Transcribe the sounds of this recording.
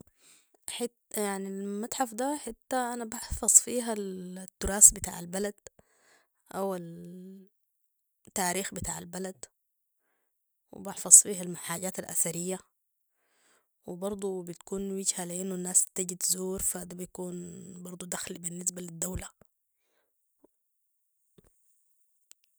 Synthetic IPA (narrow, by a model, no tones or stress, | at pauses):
ħɪt̪jaʕnilmat̪ħafd̪aħɪt̪ːaʔanabɑħfɑzˤfiːɦalt̪ːʊɾɑːsbɪt̪a̰ːʕalbalad̪ | ʔawal | t̪ːaːɾiːxbɪt̪a̰ːʕa̰lbalad̪ | wɪ̰bɑħfɑzˤfiːɦalmaħaːɟaːt̪alʔa̰θaɾijːa | wɪbɑɾˤd̪ˤubit̪kuːnwɪɟhalɪʔɪnːunːaːst̪aɟid̪zuːɾfad̪abjakuːnbɑɾˤd̪ˤud̪axlbinːɪs̬balid̪ːawla